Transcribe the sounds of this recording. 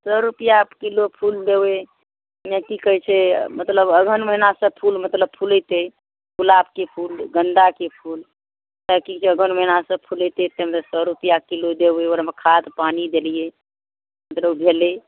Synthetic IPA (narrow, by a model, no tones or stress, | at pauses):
səɾupijakilopʰuld̪ewe | nẽkikəɦit͡ʃʰɛmət̪ləbəɡʱənməɦinasə̃pʰulmət̪ləb̚pʰulət̪e | pʰulap̚kepʰulɡənd̪akepʰul | t̪əkikt͡ʃʰeəɡʱənməɦinasə̃pʰulət̪et̪emət̪ləsəɾupijakilod̪ebeoɾamekʰad̪panid̪elije | mət̪ləbbʱele